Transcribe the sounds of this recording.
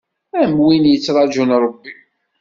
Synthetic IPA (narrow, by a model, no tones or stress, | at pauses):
æmwinjət͡sːɾˤɑd͡ʒunɾˤəbːi